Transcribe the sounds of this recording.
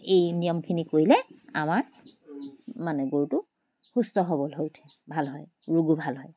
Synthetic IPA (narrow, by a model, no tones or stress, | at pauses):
ejnijɔmkʰinikoɹilɛa̰maɹ | manɛɡoɹutʊ | xustɔɦobɔlɦojtʰɛbʱalɦɔj | ɹuɡubʱalɦɔj